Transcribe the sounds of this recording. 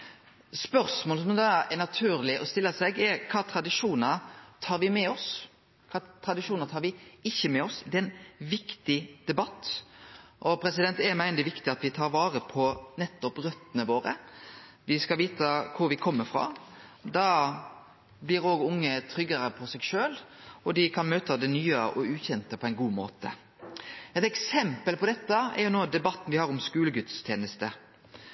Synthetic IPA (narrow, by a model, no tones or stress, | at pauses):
spœɾsmoːləsɔmd̪ɑːɛnɑt̪ʰʉːɾlɪʔɔst̪ɪlːəsɛɡɛɾkʰɑːt̪ʰɾɑd̪ɪʂuːnəɾt̪ʰɑːɾʋɪmɛɔs | kʰɑːt̪ʰɾɑd̪ɪʂuːnət̪ʰɑːɾʋɪɪçːəmɛɔsd̪ɛæɪnʋɪkt̪ɪd̪̥ɛbɑt̪ː | ʔɔpʰɾɛsɪd̪ɛnt̪ɛmæɪnd̪ɪʋɪkt̪ɪɑt̪ʋɪt̪ʰɑːɾʋɑːɾəpʰɔnɛt̪ːɔpɾœt̪ːənəʋoːɾə̰ | ʋɪskɑʋiːt̪əkʰʊɾʋɪkʰɔmːəɾfɾɑ̰d̪ɑ | blɪɾoːɡʊŋːət̪ʰɾʏɡəɾəpʰɔsɛɡʃøːlɔd̪ɪkʰɑnmøːt̪ʰɑd̪ɛnyːəʔɔʉːçɛnt̪əpʰɔæɪnɡuːmoːt̪ə̰ | ɛt̪ɛksɛmpəlpʰɔd̪ɛt̪ːəɛ̰ɾjʊnoːd̪ɛbɑt̪ːn̩ʋɪhɑɾʊmskʉːləɡʉt̪st̪ʰjeːnəst̪ə